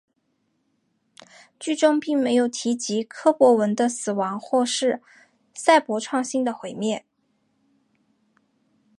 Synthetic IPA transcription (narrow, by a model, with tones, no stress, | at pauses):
t͡ɕy˥˩ʈ͡ʂʊ˥ŋpi˥˩ŋme˧˥ɪjo˨˩ʊt̪ʰi˧˥t͡ɕi˧˥kʰɤ˥pwɔ˧˥wə˧˥nd̪ə˧sɹ̩˨˩wɑ˧˥ŋxwɔ˥˧ʂɻ̩˥˩ | sa˥˩ɪpwɔ˧˥ʈ͡ʂʰwɑ˥˧ŋɕi˥ŋd̪ə˨˩xwe˨˥˩ɪmjɛ˥˩n